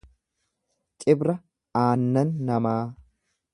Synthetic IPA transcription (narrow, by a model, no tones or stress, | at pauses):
t͡ʃʼɪbɾɐ | aːnːɐnːɐmaː